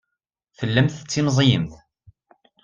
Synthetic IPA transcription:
fəlːæmθət͡sːimzˤjəmθ

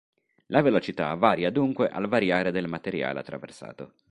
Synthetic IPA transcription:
lavelot͡ʃit̪a̰vaːɾjad̪uŋkweʔa̰lvaɾjaːɾed̪elmat̪eɾja̰ːlḛat̪ːɾa̰vḛrsa̰ːt̪o

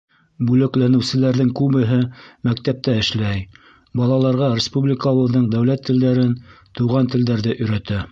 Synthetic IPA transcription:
bʉlɘ̆klænɘ̆wsɘ̆læɾðɘŋkʉβɘ̆ɦɘmæk̚t̪æp̚t̪æɘ̆ʃlæj | bɑlˠɑlˠɑɾʁɑɾʲɪspublʲɪkəoβɤ̆ðɤɴd̪æwlæt̪ʰːɘ̆ld̪æɾɘn | t̪uʁɑnt̪ɘ̆ld̪æɾðɘʔɵ̆jɾæt̪æ

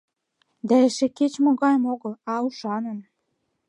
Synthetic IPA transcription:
d̪æɘ̆ʃĕket͡ɕmoɣɑjəmoɣəlɑuʃɑnə̆m

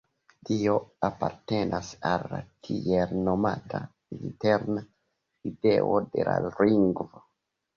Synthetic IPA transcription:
dioapaɾtenʔasalːa̰tʰielnomatʰa | inteɾna | ideo̰dela̰ɾiŋɡvo

